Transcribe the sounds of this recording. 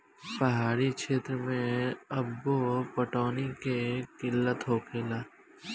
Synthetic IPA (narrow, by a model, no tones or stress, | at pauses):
pəɦaːɾikʃʰeːt̪ɾəmẽɐbːopəʈoːnikekɪlːət̪ɦoːkʰeːlaː